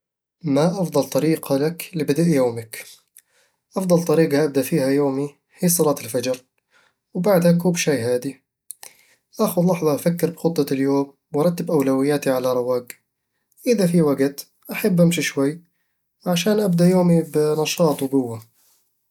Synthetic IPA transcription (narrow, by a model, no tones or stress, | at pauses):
maʔɑfd̪ˤɑlt̪ˤɑɾiːɡɑlaklɪbad̪aʔjoːmak | ʔɑfd̪ˤɑlt̪ˤɑɾiːɡɑʔab̚d̪aʔfiːhajoːmi | hiːsˤɑlɑːt̪ɪlfad͡ʒɾ | wbaʕd̪hakuːbʃajːhaːd̪i | ʔaxʊlɑħðˤɑʔafakːɪɾbxʊt̪ˤːɑljoːm | wɑɾˤɑt̪ːɪbʔawlawɪjːaːt̪iʕalaɾˤɑwaːɡ | ʔɪðafiwaɡt̪ | ʔaħabːʔamʃiʃwajː | ʕaʃaːnʔabd̪aʔjoːmibɪnɑʃɑːt̪ˤwɡʊwːa